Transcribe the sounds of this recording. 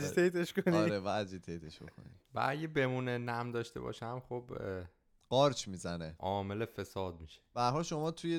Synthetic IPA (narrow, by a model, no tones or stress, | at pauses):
d͡ʒit̪ʰejt̪eʃkoniɾevæd͡ʒit̪ʰejt̪ʰeʃb̥oxo̰nivæ̰æɟebe̞muːnenæmd̪ɒːʃt̪e̞̰bɒ̰ːʃæmχob | ɢ̥ɒːɾt͡ʃʰmizæneʔɒːme̞lefe̞sɒːd̪̚miːʃeb̥æɾɦɒlʃomɒːt̪ʰuje